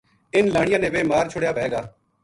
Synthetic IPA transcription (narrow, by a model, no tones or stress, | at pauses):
ɪnlaːɽ̃ɪjãːnẽːʋeːmaːɾt͡ʃʰʊɽjaːpɛeːɡaː